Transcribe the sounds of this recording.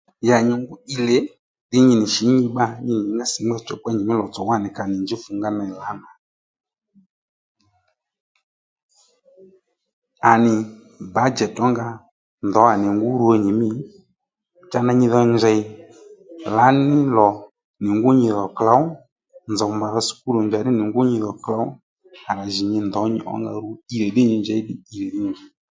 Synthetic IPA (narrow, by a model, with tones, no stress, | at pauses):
ja˨ɲi˧ŋɡʊ˦i˧le˨˦ | ɗɪ˦ɲi˧nɪ˨ʃi˨˦ɲi˧ɓa˧ɲi˧˨nɪ˨ŋɡa˦si˨ŋ͡mɡ͡bɛ˦t͡ʃɔ˨k͡pa˦ɲi˨mɪ˦lɔ˨t͡sɔ˨wa˦˨nɪ˨ka˨nɪ˨nd͡ʒi˦fu˧ŋɡa˦na˧˨la˨˦na˨ | a˨nɪ˨ | ba˨˦d͡ʒɛ˨tɔ˦ŋɡa˧ | nd̪ɔ˨˦a˨nɪ˨ŋɡʊ˦ɾu˧˦a˧˨ɲi˨mɪ˦ | t͡ʃa˧na˧ɲɪ˧ðɔ˧ɲd͡ʒɛ˨ɪ˨˦ | la˨˦nɪ˦lɔ˨ | nɪ˨ŋɡʊ˦ɲɪ˧ðɔ˨kla˨˦w | nd͡zɔ˨mba˨ðɔ˧su̥˨ku˦lɔ˨ɲd͡ʒa˨nɪ˦nɪ˨ŋɡʊ˦ɲɪ˧ðɔ˨kla˨˦w | a˨ɾa˨ʒɪ˨ɲɪ˧nd̪ɔ˨˦ɲɪ̰˨˦ʔɔ̰˦ŋɡa̰˧ɾu˦i˨ɾɛ˨ɗɪ˦ɲɪ˧nd͡ʒɛ˨˦ɪ˦ɗɪ˨i˧ɾɛ˨ɗɪ˦˨d͡ʒɛ˨˦